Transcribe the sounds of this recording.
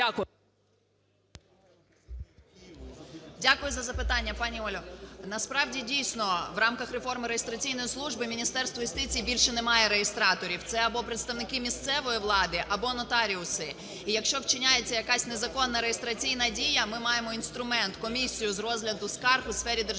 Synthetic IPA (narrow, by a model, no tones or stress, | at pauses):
dʲakʊjʊzɐzɐpɪt̪ɑnʲːɐpɑnʲiɔlʲɔnɐspɾɑwdʲidʲijsʲnɔʋrɑmkɐxrefɔrmɪɾejest̪ɾɐt͡sʲijnɔjislˠuʒbɪmʲinʲist̪ɛrst̪ʋɔjʊst̪ɪt͡sʲijːbʲilʲʃɛnɛmɑjɛɾeɦest̪ɾɑt̪ɔɾʲiwt̪sɛɐbɔpɾet̪st̪ɐʋnɪkɪmʲist̪sɛʋɔjiʋlˠɑd̪ɪʔɐbɔnɔt̪ɑɾʲiʊsɪ | ijɐkʃt͡ʃɔwt͡ʃɪnʲajet͡sʲːɐjɐkɑsʲnezɐkɔnːɐɾejest̪ɾɐt͡sʲijnɐdʲijɐmɪmɑjemɔinst̪ɾʊmɛnt̪kɔmʲisʲijʊzrɔzɦlʲɐd̪ʊskɑrxʊsfɛɾʲid̪e